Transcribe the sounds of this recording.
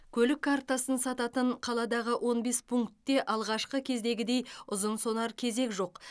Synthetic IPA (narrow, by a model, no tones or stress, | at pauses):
kʲʰɵlɪkʰːart̪ɑsənsɑt̪ɑt̪əɴqʰɑlˠɑd̪ɑʁəwʔo̞nbe̞spʰuŋkt̪ːe̞ʔɑlˠʁɑʃqəkʲʰe̞zd̪e̞ɡʲɪd̪e̞jʊzənso̞nɑɾkʲʰe̞ze̞kʒo̞q